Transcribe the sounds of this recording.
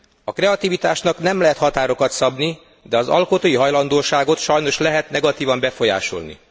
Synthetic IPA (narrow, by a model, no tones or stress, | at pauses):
ɒkrɛɒt̪ivit̪aːʃnɒknɛmlɛɦɛt̪hɒt̪aːɾo̞kɒt̪sɒbni | d̪ɛɒzɒ̰lko̞t̪oːjiɦɒjlɒnd̪oːʃaːɡo̞t̪ʃɒjno̞ʃlɛɦɛt̪nɛɡɒt̪iːvɒmbɛfo̞ja̰ːʃo̞̰lnḭ